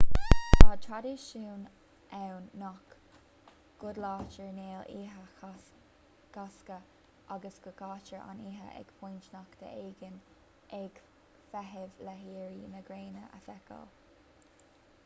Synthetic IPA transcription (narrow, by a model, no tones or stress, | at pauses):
taːt̪ʰɹad̪iːʃuːn | ʔɛwnːɔk | ɡ̥ʊd̪lɑːt͡ʃəɹneːliːɦə | ɡ̥askə | ʔaɡəsɡ̥əɡɑːt͡ʃəɹa̰niːɦə̰ʔɛ̰ɡ̥pʰujnt͡ʃnakd̪̥ə̰ʔeːɡən | ʔɛɡ̥ | fɛɦɪvlɛɦiːɹiːnəɡɾeːnəʔə̰fɛkʰə̰l